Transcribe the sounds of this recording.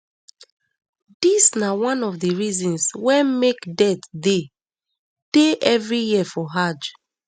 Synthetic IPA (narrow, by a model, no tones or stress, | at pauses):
disnawãnɔfdiɹizɔ̃nswɛ̃mekdɛtde | d̥eʔɛvɹijifɔɦad͡ʒ